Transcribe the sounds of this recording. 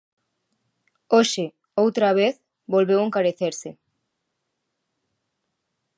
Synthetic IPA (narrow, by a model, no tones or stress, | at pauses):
oʃɪ | owt̪ɾaβ̞eθ | bolβeweŋkaɾeθeɾsɪ